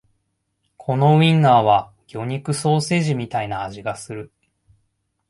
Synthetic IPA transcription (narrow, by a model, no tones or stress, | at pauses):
kʰo̞no̞ĩnːaːβ̞a | ɡ̥ʲo̞ɲ̟ikɯ̟so̞ːse̞ːʑimʲit̪ainaːʑiɡasɨɾɯ̟